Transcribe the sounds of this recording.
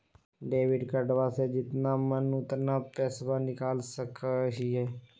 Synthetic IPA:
ɖeːʋɪɖkəɖʋaːseːd͡ʒɪt̪namənʊt̪naːpɛːsʋaːnɪkaːlsəkɦiɦɛː

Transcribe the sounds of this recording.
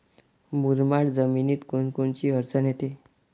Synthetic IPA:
muɾmaɽd͡zəminiːt̪koɳkoɳt͡ɕiːəɾt͡sənet̪e

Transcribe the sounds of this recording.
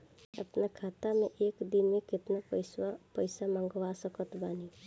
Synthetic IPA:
ə̰pnakʰat̪ameʔekd̪inmekɪt̪napəjsamãŋɡʋasəkət̪bani

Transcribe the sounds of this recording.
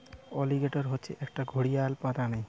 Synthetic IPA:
ɔliɡeʈoɾɦotːɕʰeʔɛk̚ʈaɡʱoɽijalpat̪anej

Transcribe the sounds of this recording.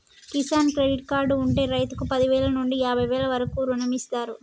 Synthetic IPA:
kisaːnkɾe̞ɖiʈkaːɾɖuɳʈe̞ːɾɐjt̪ukupɐd̪iʋɛːlɐnuɳɖiaːbʱɐjʋɛːlɐʋɐɾɐkuːɾunɐmist̪aːɾu

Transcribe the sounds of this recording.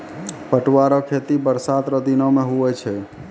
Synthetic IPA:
pəʈwaɾɔkʰet̪ibəɾsat̪ɾəd̪inɔmeɦuɛt͡ʃʰɛ

